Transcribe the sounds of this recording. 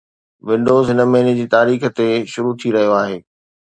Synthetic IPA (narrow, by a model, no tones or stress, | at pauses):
ʋɪ̃ɳɖoːzɦɪnəmẽːɪnid͡ʑiːt̪aːɾiːxə̆t̪eʃʊɾut̪ʰiɾɐɦijoaːɦeː